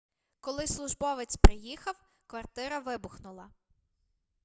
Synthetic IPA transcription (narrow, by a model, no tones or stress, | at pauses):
kɔlˠɪslˠʊʒbɔʋet͡sʲpɾɪjixɐw | kʋɐrt̪ɪɾɐʋɪbʊxnʊlˠɐ